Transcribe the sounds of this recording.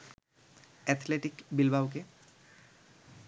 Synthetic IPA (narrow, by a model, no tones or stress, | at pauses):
ɛt̪ʰleʈikbilbʱawk̬e